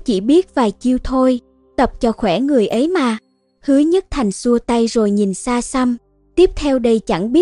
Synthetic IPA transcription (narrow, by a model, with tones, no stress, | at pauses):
t͡ɕi˧˩ɓi˦˥ət̚vaː˨˩t͡ɕi˧əwt̪ʰo˧j | t̪ə˨˩p̚t͡ɕɔ˧xwɛ˧˩ŋɨ˨˩əjʔə˨˦jmaː˨˩ | hɨ˨˦əɲə˦˥t̚t̪ʰa˨˩jŋ̟su˧ət̪a˧jzo˨˩jɲi˨˩nsaː˧sa˧m | t̪i˦˥əp̚t̪ʰɛ˧wɗə˧jt͡ɕa˧˩ŋɓi˦˥ə